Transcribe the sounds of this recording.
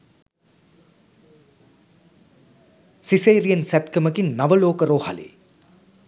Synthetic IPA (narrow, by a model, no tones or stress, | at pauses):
siseːɾijənsæt̪kəməkinːaʋəloːkəɾoːha̰lḛː